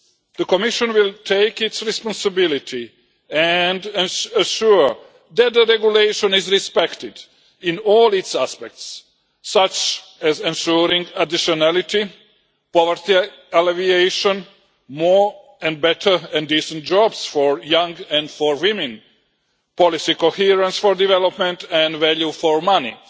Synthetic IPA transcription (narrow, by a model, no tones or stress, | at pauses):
d̪əkɔmɪʃə̃nwɪlˠtʰeɪkɪtsɹɛspɔ̃nsɨbɪlit̪ʰi | ɛ̃ndɛ̃nəʃuɹ | d̪æt̪̚d̪əɾɛɡjuleɪʃɔ̃nɪzɾispɛkt̪ɪd | ɪ̃nɔːlˠɪtsæspɛk̚tsː | at͡ʃ | ɛzɛ̃nʃuɾĩŋɡadiʃɔnælɪt̪i | pɔʋəɾt̪i | alevieʃɔ̃n | mo | ɛ̃nd̚bɛtʰəɛ̃ndisə̃nt̚d͡ʒɔbsfɔɹjãŋɡɛ̃ndfɔɹwɪmɛ̃n | pɔlisikohiɾãnsfoɾdivɛlopmɛ̃ntɛ̃ndvæljufɔɹmanḭ